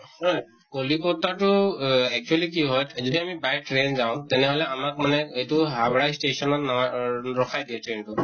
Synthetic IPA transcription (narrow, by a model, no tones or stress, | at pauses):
hɔj | kolikɔtatʊɛk̚t͡ʃualik̬iɦɔjzidiamibaj̚ʈɹenzaʊ̃tɛnɛɦolɛamak̚manɛejtʊɦabɹajstesɔnɔtnaɹɔkʰajdiɛtɹentʊ